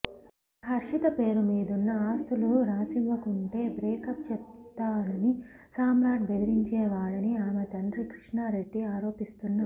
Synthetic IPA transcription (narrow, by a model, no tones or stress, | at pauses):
hɐɾʂit̪ɐpe̞ːɾumiːd̪unːɐaːst̪uluɾaːsiʋʋɐkuɳʈe̞ːbɾeːkɐp̚t͡ʃɛt̪ːaːɽɐni | saːmɾaːʈ̚bed̪ɐɾiɲt͡ʃeːʋaːɭɐniaːmet̪ɐnɖɾikɾiʂɳaɾeɖːiaːɾo̞ːpist̪unːɐ